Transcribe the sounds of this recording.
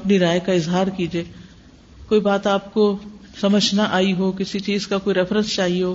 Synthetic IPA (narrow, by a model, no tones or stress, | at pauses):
ɐpniɾaːjkaɪzɦaːɾkiːd͡ʒieː | koːibaːt̪aːp̚kosɐməd͡ʒʱnaʔaːiɦokɪsit͡ʃiːzkakoːiɾɛfʰɾə̃nst͡ʃaːɦieɦoː